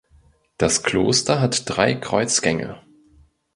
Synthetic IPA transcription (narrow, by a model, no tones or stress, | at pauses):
d̥askʰl̥oːstɐɦatd̥ʁaɪkʁ̥ɔʏt͡sɡ̥ɛŋə̰